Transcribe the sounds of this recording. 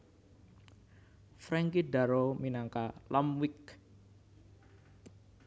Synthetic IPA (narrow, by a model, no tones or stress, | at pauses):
fɾɛŋkida̤ɾominaŋkalamwik